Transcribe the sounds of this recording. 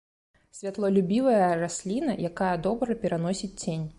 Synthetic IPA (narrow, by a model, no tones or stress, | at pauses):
sʲvʲat̪lˠɐlʲubʲivɐjɐrasʲlʲinɐjakajɐd̪ɔbɾɐpʲɛɾanɔsʲit͡sʲt͡sʲenʲ